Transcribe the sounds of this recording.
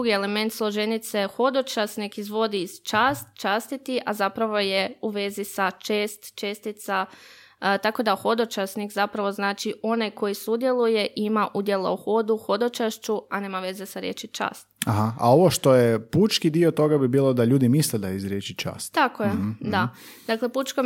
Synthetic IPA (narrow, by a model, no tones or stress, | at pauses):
d̪uɡie̞le̞me̞nt̪slˠo̞ʒenit̪se̞xo̞d̪o̞t͡ʃasnikizʋo̞d̪iːz̥t͡ʃaːst̪t͡ʃast̪it̪iʔazapɾaʋo̞jeuʋe̞zisat͡ʃe̞ːst̪t͡ʃeːst̪it̪sa | t̪ako̞d̪axo̞d̪o̞t͡ʃasnikzapɾaʋo̞znaːt͡ʃiʔo̞najko̞jisud̪je̞lˠuje̞ʔimaʔud̪je̞la̰uxo̞d̪uxo̞d̪o̞t͡ʃaʃt͡ʃuane̞ːmaʋe̞ze̞saɾjḛt͡ʃit͡ʃa̰ːst̪aɦaa̰o̞ʋoʃt̪o̞jeput͡ʃkid̪iot̪o̞ɡabibiːlˠod̪aʎuːd̪imisled̪aizɾjeːt͡ʃit͡ʃa̰ːst̪t̪akojed̪a | d̪akle̞put͡ʃko